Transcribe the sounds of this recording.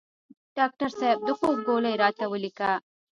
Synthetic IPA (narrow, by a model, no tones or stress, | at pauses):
ɖɑːk̚ʈaɾsab̚d̪əxozɡolajɾɑːt̪awəlika